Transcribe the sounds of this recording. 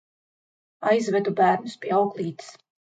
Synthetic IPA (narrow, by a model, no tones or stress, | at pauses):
ajzvɛd̪ubæːɾnuspʲiɛawklˠiːt̪i̥s